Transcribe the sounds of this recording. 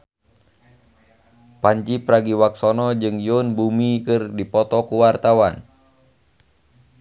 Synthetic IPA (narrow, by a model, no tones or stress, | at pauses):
paɲd͡ʒipɾaɡiwaksɔnɔd͡ʒɨŋjunbumikɨrdipɔt̪ɔkuwart̪awan